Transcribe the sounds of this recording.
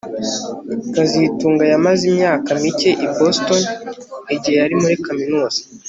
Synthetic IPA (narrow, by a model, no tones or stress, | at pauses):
kazituːŋɡajamazimɲaːkamice̞ʔibo̞sto̞niɟihe̞jaɾimuɾikaminoːz̥ḁ